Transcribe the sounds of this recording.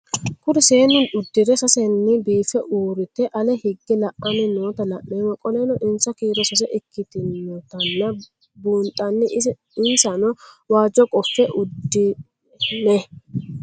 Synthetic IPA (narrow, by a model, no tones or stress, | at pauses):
kʊɾɪseːnʊnʊd̪ːɪɾɛsɐsɛnːɪbiːfɛʔuːɾɪt̪ɛʔɐlɛhɪɡːɪlɐʔɐnɪnoːt̪ɐlɐʔːeːwɐkʼɔlɛnɔʔɪnsɐkiːɾɔsɐs̬ɛʔɪkʰːɪt̪ɪnːɔt̪ɐnːɐ | buːnt̪ʼːɐnːɪʔɪ | ɪnsɐnɔwaːd͡ʒːɔkʼɔfːɛʔʊd̪ːɪ | nɛ